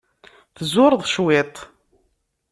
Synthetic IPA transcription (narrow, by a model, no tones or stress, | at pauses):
θzʊɾðˤʃwɪt̪ˤ